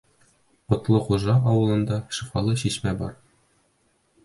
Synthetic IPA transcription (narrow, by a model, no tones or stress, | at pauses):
ŏt̪lˠɤχuʒɑɒwɤ̆lˠɤ̆nd̪ɑʃifɑlˠɤɕiʃmæbɒ̰ɾ